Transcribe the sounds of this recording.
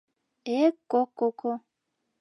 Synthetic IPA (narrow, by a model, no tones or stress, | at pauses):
ekokoko